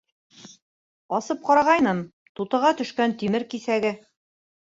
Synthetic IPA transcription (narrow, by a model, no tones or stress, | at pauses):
ɒsɤp̚qɑɾɑʁɑjnɤm | t̪ut̪ɤ̆ʁɑt̪ɵ̆ʃkænt̪imɘɾkisæɡɘ